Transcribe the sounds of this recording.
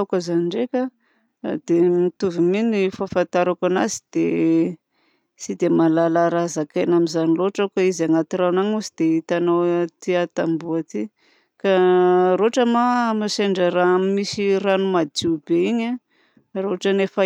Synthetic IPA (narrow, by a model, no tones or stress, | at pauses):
akazaniɳɖ͡ʐekʲa | d̪̥emit̪uviminifafant̪aɾakanazid̪̥e | sid̪emalalaɾazakajnamizaniloʈ͡ʂakaizaŋat̪iɾanaɲuzid̪eit̪anawt̪iat̪ambuat̪i | kaɾoʈ͡ʂəmamaseɳɖ͡ʐəɾamimisiɾanumad͡z̪iubeiɲa | roɦaʈ͡ʂanefa